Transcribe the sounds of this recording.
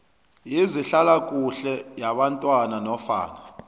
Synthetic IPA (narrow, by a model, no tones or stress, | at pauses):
jiziɬalakʼuɬɛjaɓantʼwananɔfa̰ːna